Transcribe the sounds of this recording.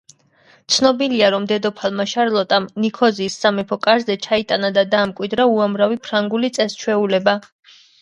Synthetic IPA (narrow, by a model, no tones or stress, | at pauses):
t̪sʰnɔbiliaɾɔmd̪ɛd̪ɔpʰalˠmaʃaɾlˠɔt̪ʼamnikʰɔziːsːamɛpʰɔkʼaɾzɛt͡ʃʰait̪ʼanad̪ad̪aːmkʼwid̪ɾauamɾavipʰɾaŋɡulit̪sʼɛst͡ʃʰwɛulɛba